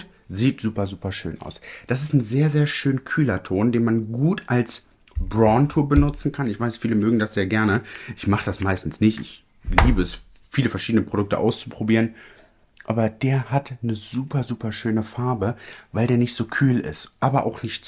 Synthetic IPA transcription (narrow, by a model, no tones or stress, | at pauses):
ziːtz̥uːpɐzuːpɐʃø̰ːnʔa̰ʊsd̥as̬ɪ̥stn̩zeːɐzeːɐʃøːnkʰyːlɐtʰoːndeːnmanɡuːtʔals | b̥ʁɔntʰubənʊt͡sn̩kʰanɪçv̥aɪsfiːləmøːɡŋ̩dasz̥eːɐɡɛɐnəʔɪçmaχəd̥asmaɪstn̩snɪçtɪ̰ç | liːbəɛs | fiːləfɛɐʃiːdənəpʁ̥odʊk̚tə̰ʔaʊst͡su̥pʁ̥obiːʁən | ʔa̰ːbɐdeːɐhatnəzuːpɐzuːpɐʃøːnəfaɐbəvaɪldeːɐnɪçtz̥oːkʰyːlɪ̰stʔaːbɐʔa̰ʊxnɪçt